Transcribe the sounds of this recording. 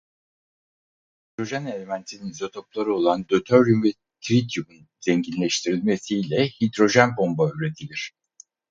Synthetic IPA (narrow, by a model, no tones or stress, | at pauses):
hid̪ɾo̞ʒæne̞lʲe̞mænt̪ʰininzo̞t̪ʰo̞plˠaɾɯo̞lˠand̪øt̪ʰøɾlymvɛ | t̪ʰɾit̪ʰjumun | z̥eɲɟinlʲeʃt̪ʰiɾilʲme̞sijlʲɛhid̪ɾo̞ʒænbo̞mbaøɾe̞t̪ʰilʲiɾ̝̥